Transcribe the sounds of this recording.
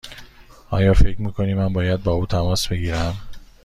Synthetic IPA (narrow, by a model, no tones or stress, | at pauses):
ʔɒ̰ːjɒːfe̞cʰɾmiːkʰo̞niːmænbɒːjæd̪̚bɒːuːt̪ʰæmɒːsb̥e̞ɡiːɾæm